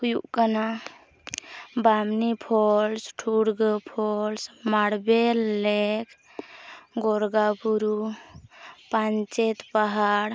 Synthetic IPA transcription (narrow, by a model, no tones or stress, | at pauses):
kjṵʔkana | bamnipʰolsʈʰuɽɡəpʰolsmaɽbelek | ɡoɾɡapuɾu | pant͡ʃet̪paɦaɽ